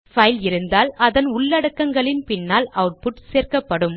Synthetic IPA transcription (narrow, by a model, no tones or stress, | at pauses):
fɐjlɪɾɯnd̪aːlɐðɐnʊɭːɐɽɐkːɐŋɡɐɭɪnpɪnːaːlɐʊʈ̚pʊʈseːrkɐpːɐɽɯm